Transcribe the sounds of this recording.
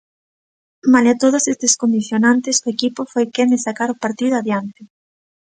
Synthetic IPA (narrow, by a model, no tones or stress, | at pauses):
malat̪oð̞osest̪eskond̪iθjonãnt̪esoekipʊfojkenɪsakaɾʊpaɾt̪iðʊaðjant̪ɪ